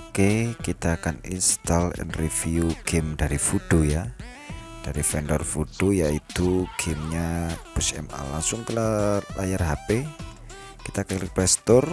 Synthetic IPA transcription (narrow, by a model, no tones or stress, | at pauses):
kekit̪aːkanḭnst̪alɛ̰nrifiuɡ̥emdaɾifud̥oja | d̥aɾifɛndɔrfud̥ojait̪uɡ̥emɲab̥əsɛ̰ma̰lːaŋsʊŋkəlalajarɦape | kit̪aːkanliplɛst̪ɔr